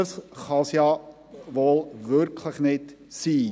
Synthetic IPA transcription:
əsχɑːsiɑ | vɑlˠvœrkʰləχnɛt | siː

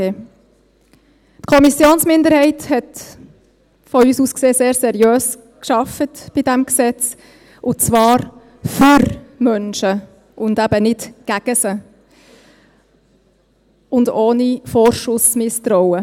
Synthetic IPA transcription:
e | tkʰɔmisjoːnsmɪnd̪əɾhɛɪthɛt | fɔyːsuːskseːseːɾsɛɾjøːs | kʃɑfətb̥idɛmksɛt͡s | ʔʊt͡sʋɑːɾ | fyɾmœnʃə | ʊndæb̥ənɪtɡ̥æɡ̥əsə | ʊndoːnifoɾʃʊsmɪst̪ɾɔʊə

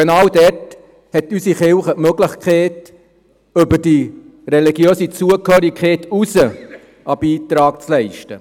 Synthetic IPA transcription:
enɑːwdɛt | hɛtysiχɪlχəmøɡləχkχɛːt | ʏbəd̥i | rɛliɡjøːsit͡suəkhøːɾikχɛːtusə | ɑbiːtɾɑːk̚t͡slɛɪʃtə

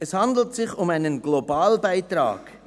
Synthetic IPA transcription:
ɛshɑndl̩tsɪçʊmaɪnənɡ̥lobaːlbaɪtɾɑ̰ːɡ̥

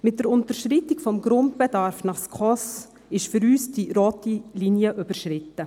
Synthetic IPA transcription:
mɪt̚d̥əɾʊntəʃɾɪtɪkfɔmɡɾʊnt̚b̥ɛdɑɾfnɑχskχɔs | ɪʃfʏɾyːsd̥iɾoːtilinjəʔybəɾʃrɪtə

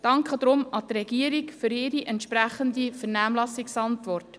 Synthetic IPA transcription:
d̥ɑŋkχəd̥̪ɾʊmɑt̪rɛɡ̥iəɾikfʏɾɪɾiʔɛnt̪ʃpɾæχəndifəɾnæːmlɑsɪksɑntʋɔrt

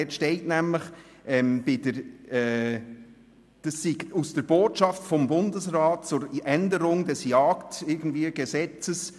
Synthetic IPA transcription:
ɛtʃtɛɪtnæmləχʔɛmb̥ɪdəɾɛː | d̥ɑsːiɡusd̥əɾb̥oːtʃɑftfɔmbʊndəsɾɑːt̚t͡sʊɾɛndəɾʊŋdɛsjɑːktɪɾɡən̩dviːəɡ̥əsɛt͡səs

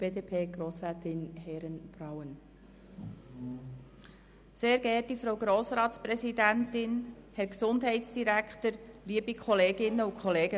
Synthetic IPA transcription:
b̥eːdeːpʰeːɡ̥ɾoːsɾɛːtɪnhɛɾənb̥rawən | seːɾɡ̥ɛtifɾowɡɾoːsɾɑːtspɾɛsidæntɪnhɛɾksʊndɦɛɪtsd̥iɾækχtəɾliəbikʰχɔleːɡɪnːəukʰχɔleːɡə

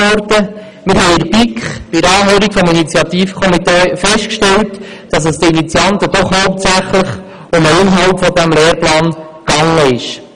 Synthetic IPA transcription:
ɔɾtə | mɪɾɦɛjɪɾpikχb̥ɪɾɑːɦøːɾikfɔminit͡sjɑt̪iːfkʰɔmit̪eːfɛʃt̚kʃtɛlt | d̥ɑs̬əsdəinit͡sjɑnt̪əd̥ɔχhowp̚t̪sæχləχ | ʊməɪnɦɑwpfɔdæmlɛːɾplɑːn | ɡ̥ɑŋːəɪʃ

